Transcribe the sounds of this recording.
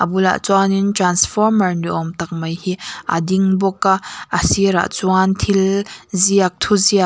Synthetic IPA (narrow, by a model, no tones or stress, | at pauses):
ʔabula̰ʔt͡swanintransfɔrmɐrniʔɔmt̪ɐk̚mɐjhiʔa̰d̪iŋbɔkaʔəsiɾa̰ʔt͡swant̪ʰilziɐk̚t̪ʰuzia